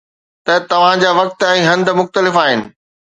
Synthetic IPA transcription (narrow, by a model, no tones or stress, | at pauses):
t̪ɐt̪ɐʋ̤ãd͡ʑaːʋɐk̚t̪ɛ̃ːɦɐ̃nd̪̆mʊxt̪əlɪfaːɦɪnɪ̆